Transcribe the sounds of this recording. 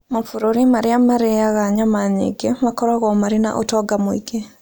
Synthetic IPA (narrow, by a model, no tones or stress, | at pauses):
mafuɾoɾimaɾiamaɾejaɣaɲamaɲḛɡemakɔɾaɣɔmaɾina̰ʔotɔɡamoḭɡe